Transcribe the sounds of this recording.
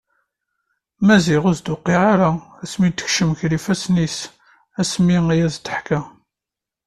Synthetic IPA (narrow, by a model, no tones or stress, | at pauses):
mæziʁʊzd̪ʊqːiʁaɾaæsmit̪ːə̥çʃəmçɾifæsnis | æsmiijæzt̪əħkæ